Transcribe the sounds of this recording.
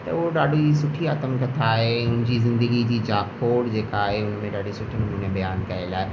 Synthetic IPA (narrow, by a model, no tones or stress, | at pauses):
t̪ɐʋoɖaːɖud͡ʒisʊʈʰːiaːt̪əmkɐt̪ʰaːɦeʊnd͡ʒizɪ̃nd̪əɡid͡ʒid͡ʒaːkʰoːɽd͡ʒeːkaːɦeʊnmẽɖaːɖusʊʈʰimẽnʊ̃nẽbɐjaːnkɐelaːe